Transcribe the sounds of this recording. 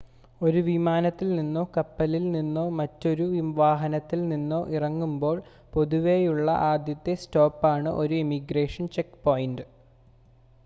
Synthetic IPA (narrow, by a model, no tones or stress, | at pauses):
o̞ɾuʋimaːnɐt̪ːilninːoːkɐpːɐlilninːo̞ːmɐtːo̞ɾuʋiʋaːɦɐnɐt̪ːilninːo̞ːʔirɐŋːumbo̞ːɭ | po̞ðuʋejuɭːɐ̰ʔaːd̪jɐt̪ːesto̞ːpːaːɳɨʔo̞ɾuimiɡre̞ːʂɐnt͡ɕekːpoːjndɨ